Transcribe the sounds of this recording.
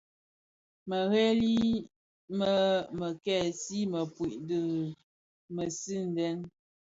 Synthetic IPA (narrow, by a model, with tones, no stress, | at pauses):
mə˨ɣe˦li˦ | mə˦mə˨kɛ˦˨si˦mə˨pwi˨ʔdə˨ | mə˨si˦n̩˨dɛ˦n